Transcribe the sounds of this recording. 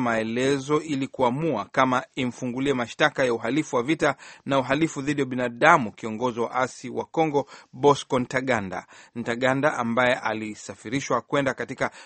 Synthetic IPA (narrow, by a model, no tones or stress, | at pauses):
maɛlɛzɔilikuamuakamaim̩fuŋɡuliɛmaʃtakajauɦalifuwavitanauɦalifuðiɗiwaɓinaɗamukiɔŋɡɔziwa̰ʔasiwa̰kɔŋɡɔɓɔskɔn̩taɠanda̰n̩taɠandaʔambajɛʔa̰lisafiɾiʃwakwɛndakatika